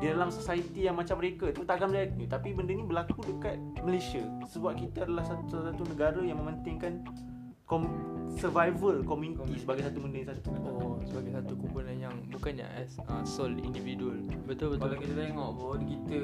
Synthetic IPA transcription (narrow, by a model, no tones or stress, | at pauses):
didalamsosait̪ijaŋmat͡ʃamːəɾekat̪ut̪aʔakanmbəlat̪ɲĩt̪apibəndəɲĩbəlakudəkat̪̚məlesiasəbap̚kit̪əadalahsasasat̪unəɡaɾəjaŋmə̃mə̃nt̪ɪŋkan | kɔmsərvajvəlkɔmjunit̪isəbaɡajsat̪ubəndəsat̪usəbaɡajsat̪ukupunanjaŋbukanja̰ʔɛsəsolḭndividualbət̪ʊlbət̪kalakit̪ət̪eŋɔʔbawadkit̪ə